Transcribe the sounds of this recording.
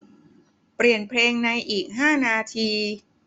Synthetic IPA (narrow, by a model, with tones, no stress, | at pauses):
pɾi˨˩ənpʰleː˧ŋna˧jʔiː˨˩k̚ɦaː˥˩naː˧t̪ʰiː˧